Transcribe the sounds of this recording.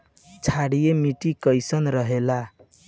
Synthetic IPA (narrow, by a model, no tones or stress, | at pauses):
t͡sʰaɽijemiʈikʌjsʌnɾʌɦela